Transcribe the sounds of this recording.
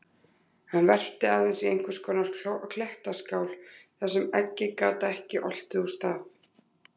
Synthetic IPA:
hanvɛr̥t̪ɪaːðɛnsiejŋ̥kʰvɪɾ̥skɔːnaɾ̥kʰl̥ɛht̪askaːwlθɛsːɛmɛcːɪkaːt̪aɛhcɪʔɔl̥t̪ɪust̪aːθ

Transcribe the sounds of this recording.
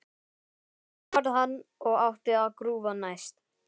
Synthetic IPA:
aɾðɦanːɔɣawht̪ɪaðkɾuːvanajst̪

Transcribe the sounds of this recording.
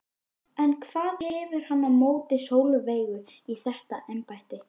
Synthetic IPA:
ɛnkʰv̥aːðhɛvʏɾ̥hanːamoːwt̪ɪsoːwlʏveːjɣʏ | iθɛht̪aʔɛmpajht̪ɪ

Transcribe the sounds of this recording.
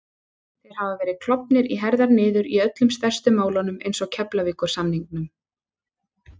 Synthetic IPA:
θejɾ̥havavɛːɾɪðkʰl̥ɔpnɪɾiɦɛɾðaɾnɪːðʏɾiœt̪lʏmst̪ɛr̥st̪ʏmaːwlanʏmejnsɔɣcʰɛplaviːkʏɾ̥sanːiŋknʏm

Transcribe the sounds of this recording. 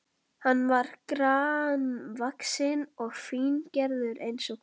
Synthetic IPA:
hanːvaɾkɾaːnvaksɪnɔɣfiːncɛɾðʏɾejnsɔɣ

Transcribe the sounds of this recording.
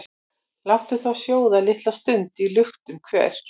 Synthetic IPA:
lawt̪ʏθawsjoːwðalɪht̪last̪ʏnt̪ɪilʏxt̪ʏmkʰvɛ̰ːɾ̥

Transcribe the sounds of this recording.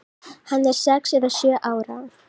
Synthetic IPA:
hanːɛɾ̥sɛksʏvḁsjœːʔaːwɾa̰

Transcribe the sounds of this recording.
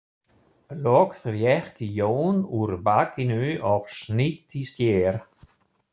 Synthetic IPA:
lɔːkθɾjɛxt̪ijoːnuɾbakinyːʔɔxʃnit̪istjeːɾ

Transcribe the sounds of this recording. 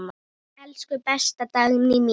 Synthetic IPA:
ma | ɛlskʏpɛst̪at̪aɣmnim

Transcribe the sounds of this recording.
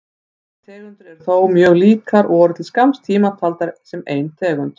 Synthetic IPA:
t̪ʰɛːɣʏnt̪ɪɾɛɾ̥θoːwmjœːɣliːkaɾʔɔɾʏt̪ʰɪlskamst̪ʰiːmat̪ʰalt̪aɾsɛmeːjnt̪ʰɛːɣʏnt̪

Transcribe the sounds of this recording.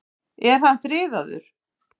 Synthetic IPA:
ɛɾ̥hanθɾɪːðaðʏ̰ɾ̥

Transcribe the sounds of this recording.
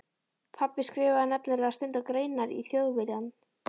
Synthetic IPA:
pʰapːɪskɾɪːvɪðanɛpnɪlɛast̪ʏnt̪akɾeːjnaɾḭθjoːwðvɛɾan

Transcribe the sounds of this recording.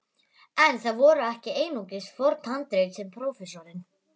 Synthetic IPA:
ɛnθaðvɔːɾʏɛhcɪeːjnuːcɪsfɔɾt̪hant̪ɾejt̪sɛmpʰɾowfɛsɔɾɪn

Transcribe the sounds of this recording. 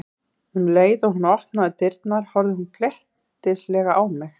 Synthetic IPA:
hunleːjðɔɣhunɔht̪naðɪt̪ɪɾt̪naɾ̥hɔɾðɪɦunkʰlɛht̪ | ɪslɛːɣaʔaːwmɪx

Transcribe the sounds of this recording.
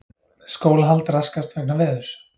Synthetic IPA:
skoːwlɦalt̪ɾaskast̪vɛknavɛːðʏɾ̥

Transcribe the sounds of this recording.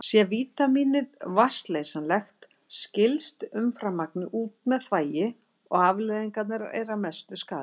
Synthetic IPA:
sjɛviːt̪amiːnɪðvast̪lejsanlɛxt̪ | scɪlst̪ʏmfɾamːaknɪʔuːt̪mɛðθvaːjɪ | ɔɣavlɛjðiŋkat̪naɾḛjɾamɛst̪ʏskaːðɪ

